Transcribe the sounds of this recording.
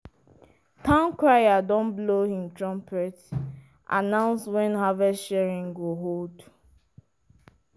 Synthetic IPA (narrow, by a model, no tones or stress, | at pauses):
tãnkɹajadɔ̃nblohĩmtɹɔ̃mpʰɛt | ʔa̰nãʊ̃nswɛ̃nhavɛsʃɛɹĩŋɡoɦolt